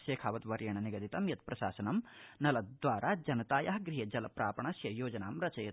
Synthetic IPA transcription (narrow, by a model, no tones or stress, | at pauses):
ʃeːkʰaːʋɐt̪ʋɐɾjɐɳɐniɡɐd̪it̪ɐmjɐt̪pɾɐʃa̰ːsɐnɐmnɐlɐd̪ʋaːɾʔaːd͡ʒɐnɐt̪aːjɐɦɐɡɾiɦɐd͡ʒɐlɐpɾaːpɐɳɐsjɐjoːd͡ʒɐnaːmɾɐt͡ʃɐjɐ